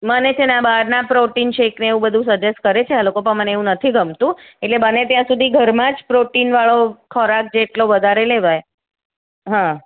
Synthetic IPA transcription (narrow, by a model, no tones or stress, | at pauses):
mənet͡ʃʰenabaɾnapɾoʈinʃekneːʋũbəd̪ʱũsəd͡ʒes̚kəɾet͡ʃʰealokopəɳməneeʋũnət̪ʰiɡʱəmt̪ũeʈlebənet̪jãsud̪ʱiɡʱəɾmãd͡ʒpɾoʈinʋaɭokʰɔɾak̚d͡ʒeʈloʋəd̪ʱaɾeleʋaj | ɦã